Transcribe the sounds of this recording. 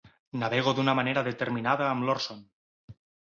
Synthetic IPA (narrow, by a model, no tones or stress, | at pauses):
naβeɣ̞oðunamaneɾaðet̪eɾminað̞aːmloɾson